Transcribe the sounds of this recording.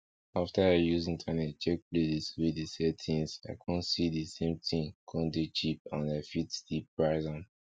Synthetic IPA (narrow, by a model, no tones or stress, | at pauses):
aftaajuzĩŋtʰanɛt̚t͡ʃɛk̚plesiswedisɛtʰĩŋsa̰ɪkʰɔ̃nsidisẽmtʰĩŋkʰɔ̃ndet͡ʃip̚ãnaɪfitstip̚ɹaɪzãn